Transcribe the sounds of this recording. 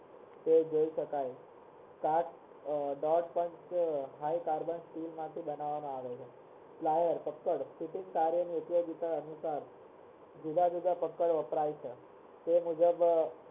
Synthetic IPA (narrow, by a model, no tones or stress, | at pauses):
t̪ed͡ʑəiɕəkaj | kaʈ | ɖɔɾʈpəɲt͡ɕɦajkaɾbənsʈilmat̪ʰiːbənaʋanoaʋet͡ɕʰe | plajəɾpəkːəɽsiʈiŋɡkaɾjəniut̪ijoɡit̪aənusaɾ | d͡ʑilad̪ud̪ʱapəkːəɽʋəpɾajt͡ɕʰə | t̪emud͡ʒəb